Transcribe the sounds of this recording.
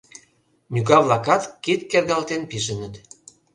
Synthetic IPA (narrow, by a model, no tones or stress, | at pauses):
nʲyɣɑβlˠɑkɑt̪kit̪kerɣɑlt̪enpiʒə̆nət̪